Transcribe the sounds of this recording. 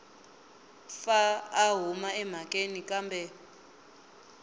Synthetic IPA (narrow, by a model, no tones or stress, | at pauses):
faːɦumaɛm̤akʼenikʼambʱɛ